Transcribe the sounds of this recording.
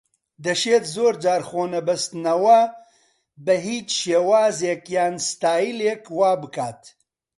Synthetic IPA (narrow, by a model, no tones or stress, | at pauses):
d̪ɐʃeːt̪zoːɾd͡ʒaːɾxoːnɐbɐst̪nɐwɐ | bɐɦiːt͡ʃʃeːwaːzeːkjaːnst̪aːjileːkwaːbɨkaːt̪